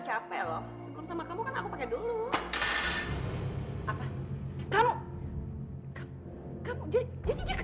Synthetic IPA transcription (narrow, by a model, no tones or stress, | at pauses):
t͡ʃapɛlɔmslɔmsamakamukanakupakɛdulu | ʔapakalo | kam | kamud͡ʒad͡ʒadid͡ʒakə